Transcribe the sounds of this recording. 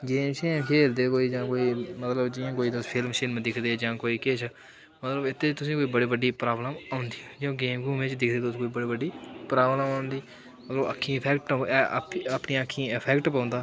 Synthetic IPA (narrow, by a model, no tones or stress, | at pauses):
ɡeːmʃiːnkʰeːld̪eːkoːiːd͡ʒãːkoːiːmət̪ləbd͡ʒɪjãːkoːiːd̪ospʰɪlmʃiːnmd̪ɪkʰd̪eːd͡ʒãːkoːiːkɪt͡ʃʰ | mət̪ləbɪt̪ʰːeːt͡ʃt̪ʊsĩːkoːiːbəɽiːbəɖiːpɾaːbləmaːʊnd̪iːd͡ʒõːɡeːmɡuːmẽːt͡ʃd̪ɪkʰd̪eːt̪ʊskoːiːbəɽiːbəɖːiːpɾaːbləmaːʊnd̪iː | mət̪ləbə̰kʰːĩːɪpʰɛːkʈːɛːəpɳiːəkʰːĩːɪpʰɛːkʈpãːnd̪aː